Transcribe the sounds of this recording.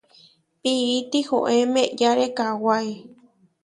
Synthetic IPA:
piit̪iho̰ʔemeʔjaɾekawae

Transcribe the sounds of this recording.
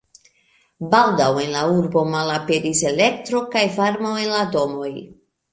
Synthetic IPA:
baldawe̞nlauɾbo̞malape̞ɾise̞le̞ktɾo̞kajfaɾmowe̞nlado̞mo̞j

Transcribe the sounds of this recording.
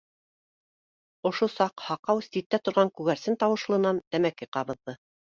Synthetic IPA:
ŏʃosɑqhɑqɑwst̪it̪ːæt̪ŏɾʁɑŋkʉɣæɾsɘnt̪ɑwɤ̆ʃlˠɤ̆nɑnt̪æmækɘqɑβɤ̆ðːɤ

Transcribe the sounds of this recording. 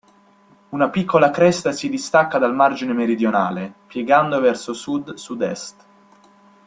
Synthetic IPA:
unapikʰːolakɾɛst̪asid̪ist̪akːad̪almard͡ʒinemeɾid̪jonaːlepjɛɡand̪ovɛrsosud̪sud̪ɛ̰st̪

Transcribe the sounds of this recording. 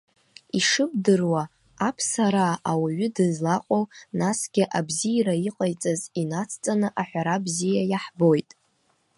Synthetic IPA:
iʂɨbdɨrwaː | pʰsaɾaːwaɥʏdɨzlaqʼownasɡ̥ʲɪʔabzijɾaiqʼajt͡sʼazinat͡sʰt͡sʼanɨʔaħʷᶣaɾabzijajaħbo̞jtʼ

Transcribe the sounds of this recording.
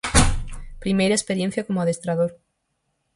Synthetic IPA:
pɾimejɾaespeɾjen̟θjakomoaðest̪ɾaðoɾ

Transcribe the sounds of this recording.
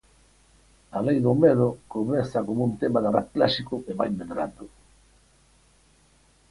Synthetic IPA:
alejðʊmeðʊkomɛθakomunt̪emaðarat̪̚klaʃikʊeβajmeðɾa̰nd̪ʊ

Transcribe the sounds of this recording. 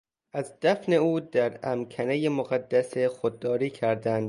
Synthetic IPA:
ʔæzd̪̥æfne̞uːd̪æɾæmkʰænejemoɣæd̪ːæsexod̪̚ːɒːɾiːcʰæɾd̪ænd̪

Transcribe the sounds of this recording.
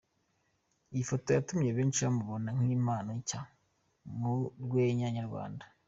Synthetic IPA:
ijifo̞to̞jatumɲe̞βeːnt͡ʃiamuβonaŋ̥iːmaːnoɲca | muɾɡweːɲaɲaɾɡwa̰ːndḁ

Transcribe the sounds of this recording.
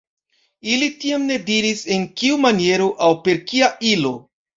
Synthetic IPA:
ilitiamne̞diɾise̞nkiumanie̞ɾo̞ʔawpe̞ɾkiaʔilo̞

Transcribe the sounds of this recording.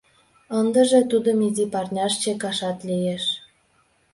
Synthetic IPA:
ənd̪ə̆ʒĕt̪ud̪ə̆mizipɑrnʲɑʃt͡ɕekɑʃɑt̪lijeʃ

